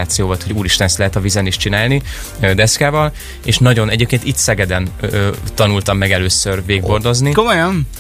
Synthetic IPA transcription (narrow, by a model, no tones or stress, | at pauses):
aːt̪sijoːvɒt̪ho̞ɟuːɾiʃt̪ɛnst̪lɛɦɛt̪ɒvizɛniʃt͡ʃinaːlni | d̪ɛskaːvɒl | eːʃnɒɟo̞nɛɟeːp̚keːnt̪it̪sɛɡɛd̪ɛnt̪ɒnult̪ɒmːɛɡɛløːsːørveːɡbo̞rd̪o̞znikomojɒn